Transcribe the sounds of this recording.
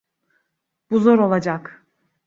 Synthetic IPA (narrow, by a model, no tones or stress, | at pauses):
b̥uzo̞ɾo̞lˠad͡ʒak